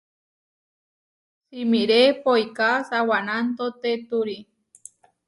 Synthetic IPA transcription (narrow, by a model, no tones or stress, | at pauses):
simiɾepojkasawanant̪ot̪et̪uɾi